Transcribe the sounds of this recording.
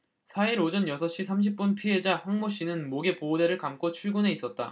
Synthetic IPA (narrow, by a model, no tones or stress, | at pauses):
sʰaiɾod͡ʑʌnjʌsʰʌɕ͈isʰamɕ̬ʰip̚p͈unpʰiɦe̞d͡ʑahaŋmoɕ͈inɯnmoɡe̞pode̞ɾɯɭkamk͈ot͡ɕʰuɭɡune̞is͈ʌt̚t͈a̰